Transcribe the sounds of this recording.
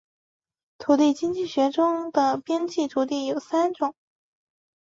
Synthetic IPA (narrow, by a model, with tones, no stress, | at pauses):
t̪ʰu˧˥t̪i˥˩ɪt͡ɕi˥ŋt͡ɕi˥˩ɕɥɛ˧˥ʈ͡ʂʊ˥ŋd̪ə˨pjɛ˥nt͡ɕi˥˩t̪ʰu˧˥t̪i˥˩jo˨˩ʊsa˥nʈ͡ʂʊ˨˩˦ŋ